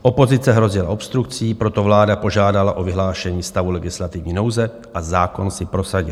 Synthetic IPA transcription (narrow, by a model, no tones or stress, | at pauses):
ʔo̞po̞zɪt͡sɛɦɾo̞zɪla̰ʔo̞pst̪ɾuk̚t͡siːpɾo̞t̪o̞vlaːdapo̞ʒaːdalaʔo̞vɪɦlaːʃɛɲiːst̪avulɛɡɪslat̪ɪvɲiːno̞wzɛ | ʔazaːko̞nsɪpɾo̞saɟɪ̰l